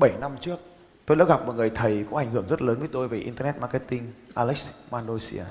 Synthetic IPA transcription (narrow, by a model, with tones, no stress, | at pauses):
ɓə˧˩jna˧mt͡ɕɨ˦˥ək̚ | t̪o˧jɗa̰ː˧˥wɣa˨˩p̚mɔ̰˨˩ŋɨ˨˩əjt̪ʰə˨˩jkɔ˨˦ʔa˧˩jŋ̟hɨ˧˩əŋzt̚ləː˨˦nvə˨˦jt̪o˧jve˨˩ʔḭ˧nt̪ə˧nɛ˦˥t̚maː˧kɛ˧˥t̪ï˧ŋʔaː˧lɛ˦˥k̚maː˧nɗo˧sḭ˧a̰ː˧